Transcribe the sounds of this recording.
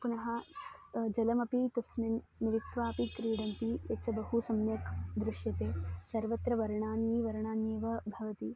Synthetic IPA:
punɐɦɐ | d͡ʒɐlɐmɐpit̪ɐsmɐnniʋit̪ʋaːpikɾiːɽɐnt̪ijɐt͡sɐbɐhusɐmnjɐkd̪ɾuʂjɐt̪eːsɐɾʋɐt̪ɾɐʋɐɾɳaːnjiːʋɐɾɳaːnjeːʋɐbʱɐʋɐt̪i

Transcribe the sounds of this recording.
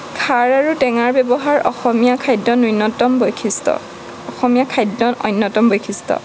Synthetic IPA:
kʰaɹaɹutɛŋaɹbɛbɔɦaɹɔ̰xɔmijakʰajdːɔnujnːɔtɔmbojkʰistɔ̰ | ɔxɔmijakʰajdːɔnɔ̰jnːɔtɔmbojkʰistɔ̰

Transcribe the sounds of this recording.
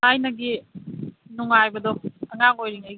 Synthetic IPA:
ajnɐɡi | nuŋajbɐdɔɐŋaŋojɾiŋajɡ

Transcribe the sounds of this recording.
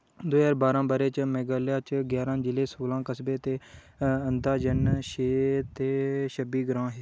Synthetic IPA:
d̪oːaːɾbaːɾãːbəɾeːt͡ʃmɛːɡəːljaːt͡ʃɡjaːɾãːd͡ʒɪleːsoːlãːkəsbeːt̪eː | ənd̪aːd͡ʒənʃeːt̪eːʃəbiːɡɾãːɦeː

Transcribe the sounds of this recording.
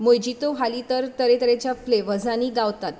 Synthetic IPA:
mojd͡ʑit̪oʋʱalit̪əɾt̪əɾet̪əɾet͡ɕjafleʋəd͡zʱaniːɡaʋt̪at̪

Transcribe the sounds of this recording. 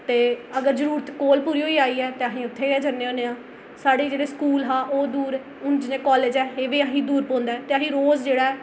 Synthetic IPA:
t̪eːəɡəɾzəɾuːɾət̪ʰkoːlpuːɾiːɦoːiːaːiːɛːt̪eːaɦĩːʊt̪ʰːeːd͡ʒənːeːõːnẽãː | saːɽeːd͡ʒeːɽeːskuːlɦãːʔoːd̪uːɾ | ʊnd͡ʒɪneːkɔːleːd͡ʒɛːeːʋeːaɦĩːd̪uːɾpɔ̃ːnd̪aːt̪eːəɦĩːɾoːzd͡ʒeːɽaːɛː

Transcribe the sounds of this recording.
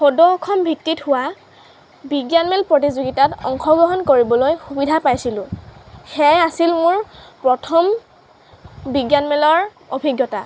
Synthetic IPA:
xodɔːkʰɔmbʱitːithʊwa | biɡjanmɛlpɹot̬izuɡitatɔ̰ŋxɔɡɹɔɦɔnkoɹibɔlojxubidʱapajsilʊ̃xɛjasilmʊɹpɹɔtʰɔm | biɡjanmɛlɔɹ | obʱiɡjɔta

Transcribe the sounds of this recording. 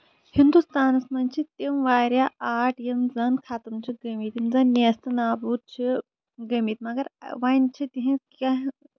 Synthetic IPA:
hind̪ust̪aːnɐsmɐnt͡ʃʰit̪imʋaːɾʲjaʔaːʈʰjemd͡zɐnkʰaːt̪ɐmt͡ʃʰiɡɐmit̪imd͡zɐnːeːst̪ɐnaːbuːt̪̚t͡ʃʰi | ɡɐmiːt̪mɐɡɐɾʋant͡ʃʰit̪iɦĩka

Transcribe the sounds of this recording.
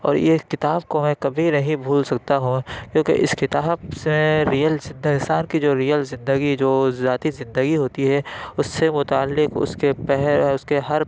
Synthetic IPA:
ɔ̰ːɾjekɪt̪aːb̚komɛ̃kɐbʱinɐɦĩbʱuːlsɐk̚t̪aɦũkjõːkḛʔɪ̰skɪt̪aːbsẽɾijəlzɪ̃nd̪əɪsaːnkid͡ʒoːɾiːjəlzɪ̃nd̪əɡid͡ʒoːzaːt̪izɪ̃nd̪əɡiɦoːt̪iɦɛʊsːemʊt̪aːəlːɪkʊ̰skepɛɦʊskeɦɐɾ

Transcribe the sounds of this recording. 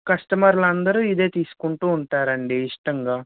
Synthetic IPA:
kɐsʈɐmɐɾlɐnd̪ɐɾuːid̪e̞ːt̪iːsu̥kuɳʈuːɳʈaːɾɐɳɖiːʂʈɐŋɡaː

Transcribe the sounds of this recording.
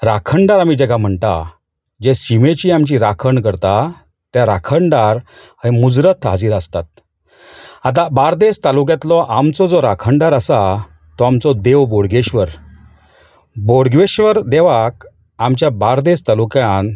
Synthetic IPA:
ɾakʰəɳɖaɾamid͡ʑɛɡam̤əɳt̪a̰ | d͡ʑesimet͡ɕiamt͡ɕiɾakʰəɳkəɾt̪a | t̪jaɾakʰəɳɖaɾ | hemud͡zɾət̪ʰɦad͡ziːɾəst̪at̪̚ | at̪̬ãbaɾd̪est̪aluk̬jãt̪lɔʔamt͡sɔd͡zɔɾakʰəɳɖaɾəsa | t̪ɔamt͡sɔd̪eʋboɽɡeɕʋəɾ | boɽɡʋeɕʋəɾd̪eʋak̚ | amt͡ɕjabaɾd̪est̪alukjãn

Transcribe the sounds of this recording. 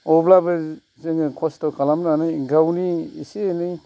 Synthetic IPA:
ɔblabɯ | zeŋkʰɔstɔkʰalamnanɯjɡawniisenɯj

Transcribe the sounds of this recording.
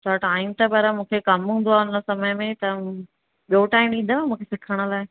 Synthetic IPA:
t̪ʰaʈaːɪmt̪ɐbɐɾəmũːkʰekɐmɦũnd̪oaːʊnə̆sɐməjmẽt̪ɐ | ɓioʈaːɪmɗĩːn̆d̪oaːmũːkʰesɪkʰəɽ̃ə̆laːɪ

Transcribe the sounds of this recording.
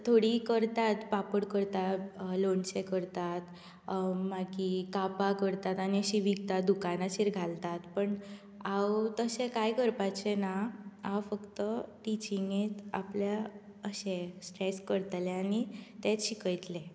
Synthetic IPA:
t̪ʰoɽikəɾt̪at̪papəɽkəɾt̪aloɳsekəɾt̪at̪ | maɡikapakəɾt̪at̪añiəɕiʋiɡt̪at̪̚d̪ukanaɕiɾɡʱalt̪at̪pəɳ | awt̪əɕẽkajkəɾpat͡ɕenaawfəkt̪əʈit͡ɕiŋɡet͡s̪a̰plja | əɕẽsʈɾeskəɾt̪leanit̪et͡sɕikəjt̪le

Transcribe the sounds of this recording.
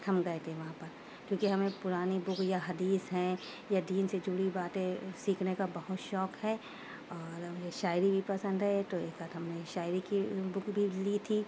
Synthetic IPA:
hɐmɡɐet̪ẽʋɐɦãpɐɾ | kjõːkiɦɐmẽpʊɾaːnibʊkʰjaɦɐd̪iːsɦɛ̃ | jad̪iːnsed͡ʒuːɽibaːt̪ẽsiːkʰnekabɐɦʊt̪ʃɔːkɦɛː | ɔːɾmʊd͡ʒʱeʃaːɪɾibʱipɐsə̃nd̪ɦɛet̪oeːkat̪ɦɐmneʃaːɪɾikibʊkʰbʱilit̪ʰiː

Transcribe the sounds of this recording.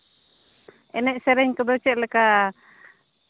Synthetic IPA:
ɛnɛʔ̚sɛɾɛɲkɔd̪ɔt͡ʃɛʔ̪̚lɛka

